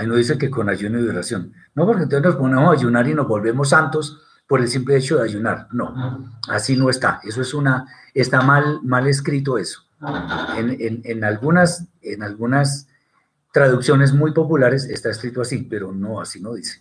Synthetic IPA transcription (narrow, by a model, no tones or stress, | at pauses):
ainoðis̬eke̞ko̞nad͡ʒunoiðoɾasjo̞nː | o̞poɾkenonsenosponemosaʝunaɾino̞zbo̞lβe̞mo̞s̬ant̪o̞s | po̞ɾe̞lsimple̞et͡ʃo̞ðeaʝunaɾno̞asino̞e̞st̪a̰e̞s̬oe̞suna | est̪amalmale̞s̬kɾit̪̬oe̞so̥ | enenenalɡunasenalɡunas | t̪ɾaðuksjo̞ne̞z̬mujpo̞pulaɾe̞sest̪aeskɾit̪oasipe̞ɾo̞no̞asino̞ðise̥